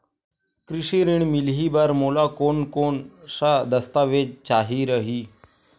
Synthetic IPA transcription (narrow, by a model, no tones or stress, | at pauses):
kɾiɕiɾiɳmilɦibaɾmolakoɳkoɳsad̪əst̪aʋed͡ʑt͡ɕaɦiɾəɦi